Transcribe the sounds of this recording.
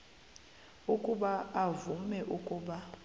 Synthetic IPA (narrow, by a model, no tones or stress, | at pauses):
ukʼuɓaːvumɛʔukʼuːɓa